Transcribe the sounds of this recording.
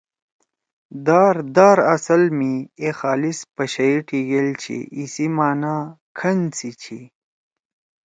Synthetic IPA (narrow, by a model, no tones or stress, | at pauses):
d̪aːɾd̪aːɾɐsɐlmiexaːlispɐɕɐiʈʰiɡelt͡ɕʰḭʔisimaːna | kʰɐnt͡sit͡ɕʰi